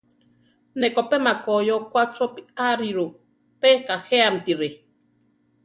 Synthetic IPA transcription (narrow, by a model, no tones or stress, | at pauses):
nekopemakojokʷat͡sopiaɾiɾu | pekaheamt̪iɾe